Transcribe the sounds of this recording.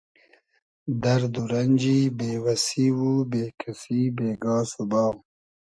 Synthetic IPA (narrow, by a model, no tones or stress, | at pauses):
d̪ɐɾd̪uɾɐnʲd͡ʒibeːwɐsiwubekʰasibeːɡɑːsubɑː